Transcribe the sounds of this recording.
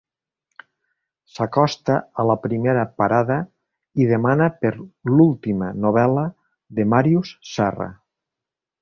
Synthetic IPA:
sakɔst̪aələpɾimeɾəpaɾaðə | iðemanəpeɾlulˠt̪imənoβ̞ɛlə | ðemaɾjussɛrə̰

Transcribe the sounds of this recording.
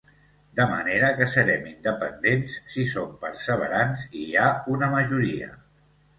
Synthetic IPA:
d̪əmə̰neɾəkəsəɾɛmind̪əpənd̪ensːisompəɾsəβ̞ə̰ɾansiaunəməʒuɾiə̰

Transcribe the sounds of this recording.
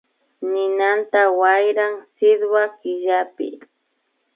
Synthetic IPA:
nɪnant̪awajɾaŋsɪd̪wakɪʎapɪ̰

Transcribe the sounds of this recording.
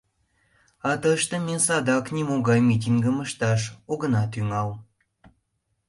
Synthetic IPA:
ɑt̪əʃt̪əmʲesɑd̪ɑknʲimoɣɑjmit̬ʲiŋɡəməʃt̪ɑʃoɣənɑt̪yŋɑl

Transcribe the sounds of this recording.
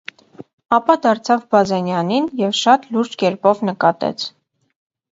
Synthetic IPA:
ɑpɑd̪ɑɾt͡sʰɑvbɑzɛnjɑninjɛvʃɑt̪luɾd͡ʒkɛɾpɔvnəkɑt̪ɛ̰t͡sʰ

